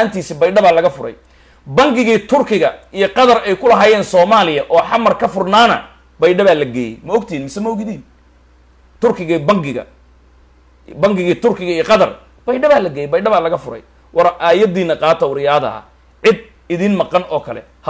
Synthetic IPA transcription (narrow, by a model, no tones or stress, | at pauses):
aːnt̪ʰiːsibɐjɖɐβaːlɐɣɐfʊɾɛ̰j | bɐŋɡɪɣiːt̪ʰʊrkʰɪɣɐijɔqɑðɐrɛjkʰʊlɐɦaːjɛːnsɔːmaːlɪjɐʔɔːħɑmːɐrkʰɐfʊrnaːnɐ̰ | bɐjɖɐβaːlɐɡɛːjɛ̰jmɐɔɡt̪ʰinmɪsɛmɐɔɣɪðiːn | t̪ʰʊrkʰɪɣiːbɐŋɡɪɣɐ̰ | bɐŋɡɪɣiːt̪ʰʊrkʰɪɣɐijɔqɑðɐ̰r | b̥ɐjɖɐβaːlɐɡɛːjɛjbɐjɖɐβaːlɐɣɐfʊɾɛ̰j | wɑɾʔaːjɐd̪iːnɐqɑːt̪ʰɐwʊɾɪjaːðɐ̰ɐ̰ | ʕɪd̪ | ɪðiːnmɑqɑnɔːkʰɐlɛ̰ | h